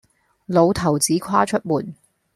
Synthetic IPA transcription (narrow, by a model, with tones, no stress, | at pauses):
lo˨˧wt̪ʰɐ˨˩wt͡siː˨˥kʷʰwaː˥t͡ʃʰɵ˥t̚muː˨˩n